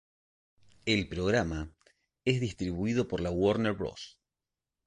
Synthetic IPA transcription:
elpɾo̞ɣɾama | ezðist̪ɾiβuið̞o̞po̞ɾlawoɾneɾβɾo̰s

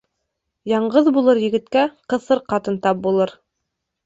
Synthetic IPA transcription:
jɑɴɢɤðbulˠɤɾjɘ̆ɡɘ̆t̪kæqɤ̆θɤɾqɑt̪ɤnt̪ɑp̚bulˠɤɾ

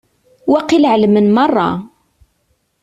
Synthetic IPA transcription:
wæqːilʕləmənmɑrˤːɑ̰

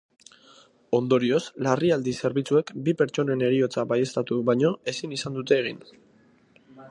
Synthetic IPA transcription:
o̞nd̪o̞ɾio̞slariald̪ise̞ɾβ̞it͡sue̞kbipe̞ɾt͡ʃo̞ne̞ne̞ɾio̞t͡saβaje̞st̪at̪uβajɲo̞e̞sinisand̪ut̪e̞ːɣ̞in

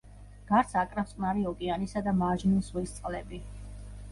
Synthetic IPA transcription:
ɡ̥aɾt̪sʰakʼɾafsʼqʼnaɾiɔkʼianisad̪amaʒniswɛst̪sʼqʼlɛbi

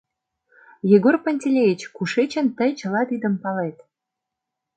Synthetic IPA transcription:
jeɡorpə̆nʲtʲelʲejit͡ɕkuʃet͡ɕə̆nt̪əjt͡ɕə̆lɑd̪id̪ə̆mpɑlet̪

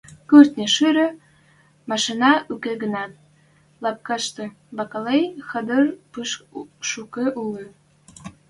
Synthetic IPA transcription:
kyrt̪nʲeʃyɾø̆ | mɑʃinɑʔukeɡə̆nɑt̪̚ | lɑp̚kɑʃt̪ɤ̆ | βɑkɑlejxə̆d̪ərpɯʃʃukeʔuli

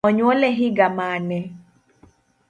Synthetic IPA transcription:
ɔɲwɔlɛɦiɡamanɛ

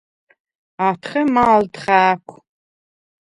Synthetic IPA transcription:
aːtʰχɐmaːldχaːkʷʰ

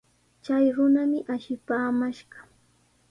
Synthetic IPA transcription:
t͡ʃajɾʊnamɪʔaʃɪpaːmaʃɢɑ

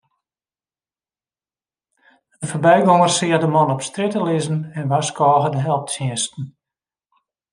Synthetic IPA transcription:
əforbɛjɡoŋərsɪərdəmɔnɔpstrɪtəlɪzən̩ɛnʋaskʰɔːɣədəɦɛlˠp̚tsjɪəstn̩

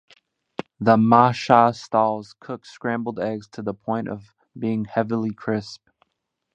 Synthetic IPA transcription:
ðəmɑʃɑstalˠz̥kʰʊkskɹæ̃mbl̩ˠdɛɡz̥tʰɨðəpʰɔ̃ɪ̃ntʌv | biɪ̃ŋhɛvl̩ˠikʰɹ̥ɪsp̚

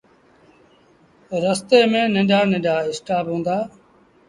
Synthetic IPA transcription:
ɾəst̪eːmẽːnẽːɖaːnɪ̃ːɖʱaːɪsʈaːpɦũːnd̪aː

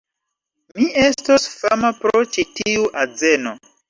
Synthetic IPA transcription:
miʔe̞stosfamapɾot͡ʃitiuʔad͡zeno

